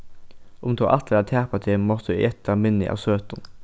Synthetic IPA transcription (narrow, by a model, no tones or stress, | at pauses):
ʔʊmt̪ʰoːʔɑt̪ʰləɑːt̪ʰæːpɑt̪ʰɪmɔt̪əd̪ʉʔɛt̪ʰəmɪnɪ̰ʔɑ̰ːʋsøːt̪n